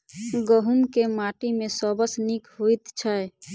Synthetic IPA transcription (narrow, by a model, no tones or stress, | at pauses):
ɡəɦumkemaʈimẽsɔbəsnikɦuit̪t͡ʃʰə